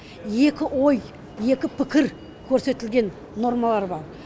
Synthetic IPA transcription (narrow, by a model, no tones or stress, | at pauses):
je̞kʲɪʔo̞j | je̞kʲɪpʰɪkʲɪɾ | kʲʰɵɾse̞t̪ɪlɡʲe̞nː | o̞ɾmɑlˠɑɾbɑɾ